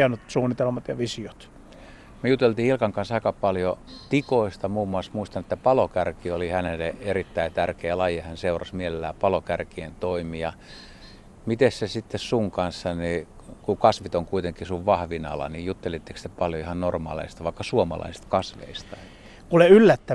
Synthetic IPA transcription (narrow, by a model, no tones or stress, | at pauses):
ænyt̪suːnːˑit̪elmɑt̪jɑʋisiot̪ | myejut̪ːˑelt̪iːilkɑŋkɑnsɑikɑpɑljot̪ikoist̪ɑmuːmːuɑsmuist̪ɑnet̪ːæpɑlokærkiolihænelːˑeʔerit̪ːæit̪ærkeːlɑjehænseurɑsmielelːæːpɑlokærkient̪oimijɑ | mit̪essesit̪ːessuŋkɑnsːɑni | kukɑsʋit̪oŋkuit̪eŋkisuʋʋɑhʋinɑ̰lɑ̰nijut̪ːelit̪ːe̥kst̪epɑljoihɑnnormɑ̰ːlḛist̪ɑʋɑikːɑsuomɑ̰lɑ̰isist̪kɑsʋḛist̪ɑ | kuleylːæt̪ːæ